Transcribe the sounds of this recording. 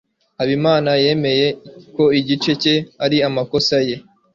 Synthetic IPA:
haβimaːnaje̞me̞je̞ko̞iɟit͡ʃe̞ce̞aɾiamako̞saje̞

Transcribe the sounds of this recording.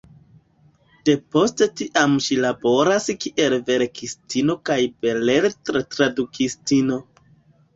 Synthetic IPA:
d̥e̞po̞ste̞tiʔamʃilabo̞ɾaskiʔe̞lve̞ɾkistino̞kajbe̞le̞ɾtɾetɾadukistino̞

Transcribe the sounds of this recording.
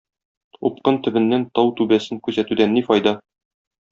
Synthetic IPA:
up̚qɤnt̪ɵ̆bɘ̆nːænt̪ɒwt̪ʉbæsɘŋkʉzæt̪ʉd̪ænːifɒjd̪ɑ

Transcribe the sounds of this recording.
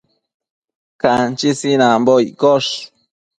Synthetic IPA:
kant͡ʃisinambojkoʂ

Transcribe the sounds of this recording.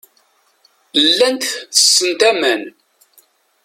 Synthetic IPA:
lːænt̪θə̥sːənt̪æmæn

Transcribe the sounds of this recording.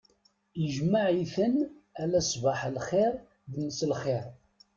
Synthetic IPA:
əʒmaʕiθənælæsˤbaħlχɪɾ | ðnːəslχɪɾ

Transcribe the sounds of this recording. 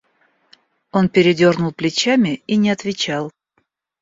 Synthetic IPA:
o̞npʲɪɾʲɪdʲornʊlˠplʲɪt͡ɕamʲɪinʲɪɐt̪vʲɪt͡ɕalˠ

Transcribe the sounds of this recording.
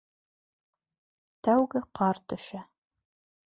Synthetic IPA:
t̪ʰæwɡɘqʰɑɾt̪ʰɵ̆ʃæ

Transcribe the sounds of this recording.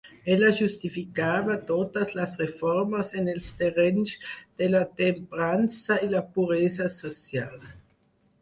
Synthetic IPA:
ɛlaʒust̪ifikaːβat̪od̪ɐslasʁefɔɾmɐsenelst̪erɛnsd̪̥elat̪empeɾansɐilapuɾezasosjal

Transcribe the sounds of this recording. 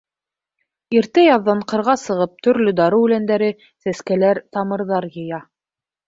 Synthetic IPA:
iɾt̪ɘjɑðːɑɴqɤ̆ɾʁɑsɤ̆ʁɤp̚t̪ɵ̆ɾlɵd̪ɑɾɤʉlænd̪æɾɘ | sæskælæɾt̪ɑmɤ̆ɾðɑɾjɤ̆jɑ

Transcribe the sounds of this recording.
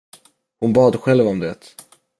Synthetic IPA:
hʊnbɑːd̪ɧɛlvɔmd̪ɛːt̪

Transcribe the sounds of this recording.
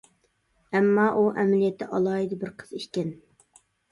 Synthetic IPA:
ɛmːɑːʔuʔɛmɪlijɛt̪ʰːɪʔɑlˠɑːjid̪ɪbɪɾqʰə̥z̥iʃkʲɛn

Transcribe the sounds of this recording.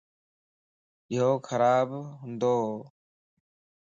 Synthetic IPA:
ɪɦoːkʰəɾaːbɦʊ̃nd̪oː

